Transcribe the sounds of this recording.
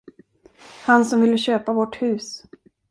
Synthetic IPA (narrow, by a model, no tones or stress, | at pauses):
hansɔmvɪlːəɕøːpavɔʈhʉ̟ːs